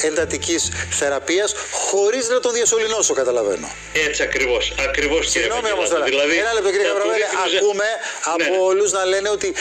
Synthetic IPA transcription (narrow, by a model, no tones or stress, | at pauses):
e̞nd̪ɐt̪icisθe̞ɾɐpiɐsxo̞ɾiznɐt̪o̞nðiɐso̞lino̞so̞kɐt̪ɐlɐve̞̰no̰ | et͡siɐkɾivosɐkɾivossiɣnomiomɐst̪oɾɐilɐðienɐle̞p̚t̪ociɾiekɐvɾɐveleɐkume̞ɐpooluznɐle̞ne̞o̞t̪i